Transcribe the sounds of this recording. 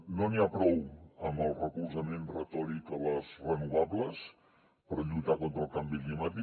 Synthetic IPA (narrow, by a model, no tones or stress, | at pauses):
noniapɾɔwəmbəlˠrəkulzəmenrət̪ɔɾikələzrənuβabləs | pəɾʎujt̪akont̪ɾəlˠkambiklimat̪i